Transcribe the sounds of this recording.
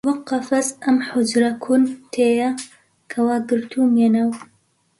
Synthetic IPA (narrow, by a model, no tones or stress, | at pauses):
wɐqːɐfɐsɐmħʊd͡ʒɾɐkʰunt̪ʰeːjɐ | kʰɐwaːɡɨɾt̪ʰuːmjenɐw